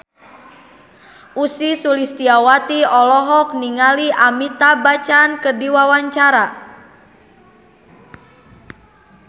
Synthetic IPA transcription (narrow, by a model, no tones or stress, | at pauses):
ʔusisulist̪iawat̪iɔlɔɦɔk̚niŋaliʔamit̪abat͡ʃankərdiwawaɲt͡ʃaɾa